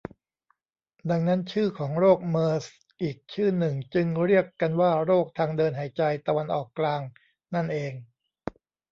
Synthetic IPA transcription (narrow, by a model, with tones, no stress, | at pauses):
da˧ŋna˦˥nt͡ɕʰɯː˥˩kʰɔː˩˦ŋɾoː˥˩k̚mɤː˧s | ʔiː˨˩k̚t͡ɕʰɯː˥˩nɯ˨˩ŋt͡ɕɯ˧ŋɾi˥˩əkːa˧nwaː˥˩ɾoː˥˩k̚t̪ʰaː˧ŋdɤː˧nɦa˩˦jt͡ɕa˧jt̪a˧wa˧nʔɔː˨˩kːlaː˧ŋ | na˥˩nʔeː˧ŋ